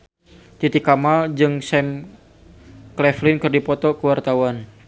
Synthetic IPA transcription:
t̪it̪ikamald͡ʒɨŋsɛm | klɛflɪnkɨrdipɔt̪ɔkəwart̪awan

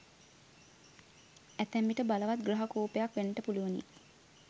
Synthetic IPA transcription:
æt̪æmbiʈəbaləʋat̪̚ɡraɦakoːpejakʋenːəʈəpuluʋənḭ

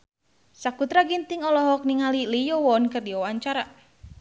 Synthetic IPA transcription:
sakut̪ɾaɡint̪iŋɔlɔɦɔk̚niŋalilijɔwɔnkɨrdiɔwaɲt͡ʃaɾa

